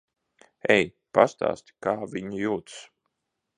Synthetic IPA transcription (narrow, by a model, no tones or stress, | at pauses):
ɛj | past̪a̰ːst̪ʲi̥kaːvʲiɲujuːt̪s